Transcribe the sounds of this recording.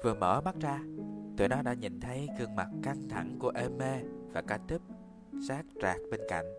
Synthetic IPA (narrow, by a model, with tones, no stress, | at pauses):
vɨ˨˩əmə̰ː˧˩ɓa˦˥t̚zaː˧t̪ɨ̰˧˨jnɔ˨˦ɗa̰ː˧˥ɲḭ˧˨nt̪ʰə˨˦jkɨ˧˩əŋma˨˩t̚ka˧ŋt̪ʰa˧˩ŋku˧˩əʔe˧me˧vaː˨˩kaː˧˩t̪i˦˥p̚ | saː˦˥k̚t͡ɕaː˨˩k̚ɓe˧nka̰˧˨jŋ̟